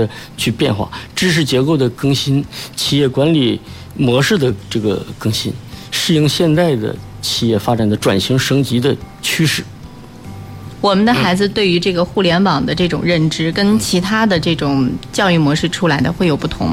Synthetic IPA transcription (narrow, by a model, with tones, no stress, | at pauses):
ə˧t͡ɕʰy˥˧pjɛ˥˧nxwa̰˥˩ʈ͡ʂɻ̩˥ʂ̬ɻ̩˧˥t͡ɕjɛ˧˥ko˥˩ʊd̪ə˩kɤ˥ŋɕi˥nt͡ɕʰi˨˩jɛ˥˩kwa˧˥nli˨˩ | mwɔ˧˥ʂɻ̩˥˩d̪ə˩ʈ͡ʂɤ˥˩ɡə̰˩kɤ˥ŋɕḭ˥nʂɻ̩˥˩i˧˥ŋɕjɛ˥˧nt͡sa˥˩ɪd̪ə̰˩ | t͡ɕʰi˨˩jɛ˥˩fa˥ʈ͡ʂa˨˩nd̪ə˦ʈ͡ʂwa˨˩nɕi˧˥ŋʂɤ˧˥ŋt͡ɕi˧˥d̪ə˧ | t͡ɕʰy˥ʂɻ̩˥˩ | wɔ˨˩mə˦nd̪ə˧xa˧˥ɪd͡zɹ̩˧t̪we˥˩ɪy˧˥ʈ͡ʂɤ˥˩ɡə˩xu˥˩ljɛ˧˥npɑ˨˩ŋd̪ə˦ʈ͡ʂɤ˥˩ʈ͡ʂʊ̰˨˩ŋɻə˥˩nʈ͡ʂɻ̩˥kə˥nt͡ɕʰi˧˥t̪ʰa˥d̪ə˨ʈ͡ʂɤ˥˩ʈ͡ʂʊ˨˩ŋt͡ɕjɑ˥˧ʊy˥˩mwɔ˧˥ʂɻ̩˥˩ʈ͡ʂʰu˥la˧˥ɪd̪ə˧xwe˥˩ɪjo˨˩ʊpu˥˩t̪ʰʊ̰˧˥ŋ